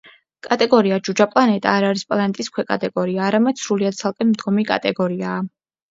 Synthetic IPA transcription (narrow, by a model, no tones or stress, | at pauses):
kʼat̪ʼɛɡɔɾiad͡ʒud͡ʒapʼlˠanɛt̪ʼaːɾaɾispʼlˠanɛt̪ʼiskʰwɛkʼa̰t̪ʼɛɡɔɾiaːɾamɛd̪̥sɾuliad̪̥̚sʰalˠkʼɛmd̪ɡɔmikʼa̰t̪ʼɛɡɔɾiaː